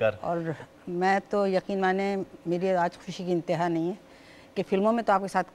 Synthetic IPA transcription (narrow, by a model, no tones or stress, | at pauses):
ɐɾɔ̰ːɾ | mɛ̃ːt̪ojɐqiːnmaːnemeːɾiaːd͡ʒxʊ̥ʃuːʃikiɪ̃nt̪ɪɦaːnɐɦĩɦɛː | kefɪlmõmẽt̪oaːp̚kesaːt̪̚ʰ